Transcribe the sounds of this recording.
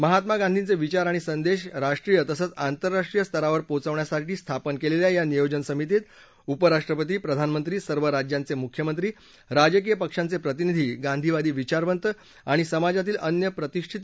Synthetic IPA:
məɦat̪maɡand̪ʱint͡seʋit͡ɕaɾaɽ̃isənd̪eɕɾaʂʈɾijət̪əsəːt͡sant̪əɾːaʂʈɾijəst̪ʰəɾaʋəɾpot͡səʋɳjasaʈʰiːst̪ʰapənkeleljajanijod͡ʑənsəmit̪it̪ | upəɾaʂʈɾəpət̪iːpɾəd̪ʱanmənt̪ɾiːsəɾʋəɾad͡ʑjãnt͡semukʰjəmənt̪ɾiː | ɾad͡ʑək̬ijəpəkʂant͡sepɾət̪inid̪ʱiːɡand̪ʱiʋad̪iːʋit͡ɕaɾʋənt̪ə | aɽ̃isəmad͡zat̪̬iːlʔənjəpɾət̪iʂʈʰit̪

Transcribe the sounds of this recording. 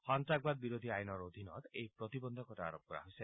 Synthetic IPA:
hɔnt̪ɾaɡ̚bad̪̚biɾod̪ʱiajnɔɾod̪ʱinɔt̪ejpɾɔt̪ibɔnd̪ʱɔkɔʈaa̰ɾɔp̚kɔɾa̰ɦojse

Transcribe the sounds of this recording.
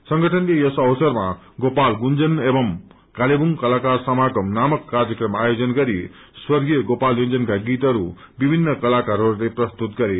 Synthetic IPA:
sʌŋɡʌʈʰʌnlejʌsʌwsʌrma | ɡopalɡund͡zʌnebʌm | kalebuŋkʌlakarsʌmaɡʌmnamʌkːard͡zʌkrʌmaajod͡zʌnɡʌɾi | swʌrɡijʌɡopaljond͡zʌnkaɡit̪ʌɾu | bibʱinːʌkʌlakaɾʌɾuleprʌst̪ut̪ɡʌɾe

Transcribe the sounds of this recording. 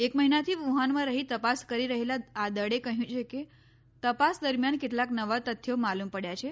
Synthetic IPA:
ekməɦinat̪ʰiːʋuɦanmãɾəɦiːt̪əpaskəɾiɾəɦelaːd̪əɽekəɦjũt͡ʃʰeke | t̪əpasd̪əɾmjankit̪laknəʋat̪ət̪ʰːjomalumpəɽjat͡ɕʰe

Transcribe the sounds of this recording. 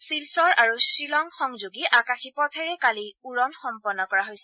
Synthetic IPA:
silsɔɹʔaɹusɹilɔŋxɔŋzoɡiʔakaxipɔtʰɛɹɛkaliuɹɔnxɔmpɔnːɔkɔɹaɦojsɛ

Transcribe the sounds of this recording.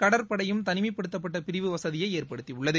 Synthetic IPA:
kɐɽɐɾpɐɽɐjɯmt̪ɐnɪmɐɪpːɐɽɯt̪ːɐpːɐʈːɐpɪɾɪʋɯʋɐsɐðɪjɐɪeːrpɐɽɯt̪ːiʊɭːɐðɯ

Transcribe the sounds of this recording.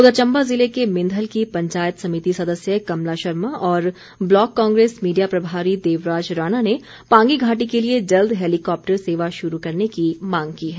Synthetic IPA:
ʊd̪ət͡ʃɐ̃mbazɪlekemɪ̃nd̪ʱəlkipɐ̃ɲt͡ʃaːjət̪sɐmit̪isɐd̪əsjəkɐmlaʃɐɾməɔːɾ | blɔːkːɔ̃ːŋɡɾeːsmiːɖijapɾɐbʱaːɾid̪eːʋɾaːd͡ʒɾaːnane | pãːŋɡiɡʱaːʈ̬ikelied͡ʒɐld̪ʱɦeːlikɔːp̚ʈəɾseːʋaʃʊɾukɐɾnekimãːŋɡkiːɦɛː

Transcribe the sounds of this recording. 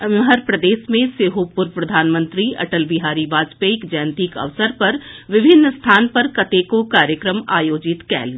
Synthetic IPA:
məɦəɾpɾəd̪eːsmẽseːɦopʊɾpɾɐd̪ʱaːnmə̃nt̪ɾiɐ̰ʈəlbiɦaːɾibaːd͡ʒpeɪkd͡ʒaj̃nt̪iːkɐ̰ʋsəɾpɐɾʋɪbʱɪnːst̪ʰaːnpɐɾkɐt̪ekokaːɾjəkɾəmaːjoːd͡ʒɪt̪kɛ̰ːl

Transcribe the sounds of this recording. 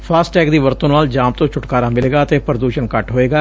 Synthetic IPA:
pʰaːsʈʈɛːkd̪iːʋəɾt̪õːnaːld͡ʒaːmt̪õːt͡ʃʰʊʈkaːɾaːmɪleːɡaːət̪eːpɾəd̪uːʃənkəʈɦoːeːɡaː

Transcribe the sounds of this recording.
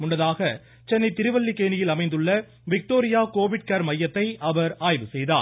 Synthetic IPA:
mʊnːɐðaːɣɐ | t͡ʃɛnːɐɪt̪ɪɾɯʋɐɭːikːeːnɪjɪlɐmɐɪnd̪ɯɭːɐ | ʋɪk̚ʈoːɾɪjaːkoːʋɪʈ̚kaːɾmɐjːɐt̪ːɐɪɐʋɐɾaːjʋɯsɛjðaː

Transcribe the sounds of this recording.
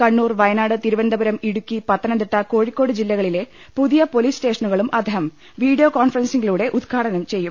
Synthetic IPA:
kɐɳːuːrʋɐjɐnaːɽɨt̪iɾuʋɐnd̪ɐbɐɾɐmiɽukʲːipɐt̪ːɐnɐnd̪iʈːɐko̞ːɻikːo̞ːɽɨd͡ʑilːɐɣɐɭile̞ | puðijɐpo̞liːsʈe̞ːʂɐnuɣɐɭumʔɐd̪ʱɐɦɐm | ʋiːɖijoːkaːnfɐrɐnsiŋɡiluːɽe̞ʔud̪̚kʰaːɽɐnɐmt͡ɕe̞jːum

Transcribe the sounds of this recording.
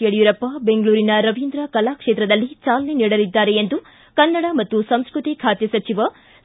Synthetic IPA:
ɐɽijuɾɐpːɐbe̞ŋɡɭuːɾinɐɾɐʋind̪ɾɐkɐlaːkʂeːt̪ɾɐd̪ɐlːit͡ʃaːlɐneniːɽɐlid̪ːaːɾeend̪u | kɐnːɐɽɐmɐt̪ːusɐ̃m̃skɾut̪ikʰaːt̪jɐsɐt͡ʃiʋɐ

